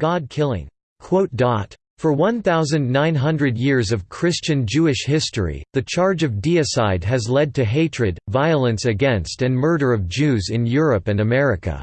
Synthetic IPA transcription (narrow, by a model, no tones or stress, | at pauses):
ɡ̥ɑd̚kʰɪlˠɪ̰̃ŋ | kʰw̥oʊt̚d̥ɑt | fə˞wʌ̃nθaʊzɨ̃nnãɪ̃nɦʌ̃ndɹɨdjɪɹzʌv̥kʰɹ̥ɪst͡ʃɨ̃nd͡ʒʉɨʃhɪstə˞ḭðɨt͡ʃʰɑɹd͡ʒʌvdiɨsaɪd̚ɨzlɛd̚tʰɨɦeɪt͡ʃɹ̥ɨd̚vaɪlˠɨ̃nsɨɡɛ̃nstɨ̃nmɜ˞ɾə˞ʌvd͡ʒʉzɨ̃njʊɹɨpɨ̃nɨmɛɹɨkɨ̰